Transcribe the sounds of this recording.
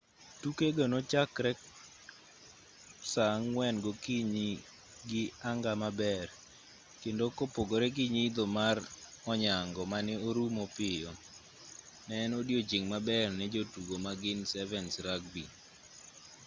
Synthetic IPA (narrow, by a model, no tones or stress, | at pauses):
tukeɡanot͡ʃakɾɛk | saŋwɛnɡokiɲi | ɡɪaŋɡamabɛr | kendokopoɡoɾɛk̬iɲid̪omarɔɲaŋɡɔmanɪoɾumopɪjɔ | nɛnodjod͡ʒɪŋmabɛrnɛd͡ʒotuɡomaɡɪnsɛvɛnsɾaɡ̚bi